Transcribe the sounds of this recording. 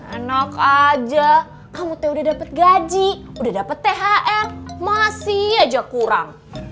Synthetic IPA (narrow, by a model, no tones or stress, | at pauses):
ənakad͡ʒa | kamut̪audahdapət̪̚ɡad͡ʒi | udahdapət̪ːeɦaʔɛrmasiad͡ʒakuɾa̰ŋ